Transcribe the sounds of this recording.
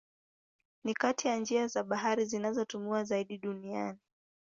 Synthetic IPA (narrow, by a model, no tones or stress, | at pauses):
nikatijand͡ʒiazaɓaɦaɾizinazɔtumuazaiɗiɗuniani